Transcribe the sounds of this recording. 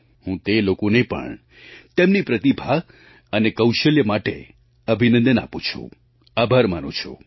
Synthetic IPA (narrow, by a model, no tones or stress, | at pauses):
ɦũt̪elokonəĩpə̰ɳ | t̪emnipɾət̪ibʱa | ənekəwʃəljəmaʈḛ | əbʱinə̃nd̪əna̰pũt͡ʃʰṵ̃ | abʱəɾmanṵ̃t͡ʃʰṵ̃